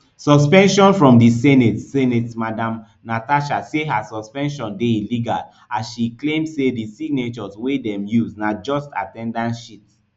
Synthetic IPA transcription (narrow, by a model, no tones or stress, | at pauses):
sɔspɛ̃nʃɔ̃nfɹɔ̃mdisɛnetsɛnɛtmadãm | nataʃaseɦasɔspɛ̃nʃɔ̃ndeiliɡal | asʃiklẽmdsedisiɡ̚net͡ʃɔzwedɛ̃mjuznad͡ʒɔsta̰tɛ̃ndãnʃip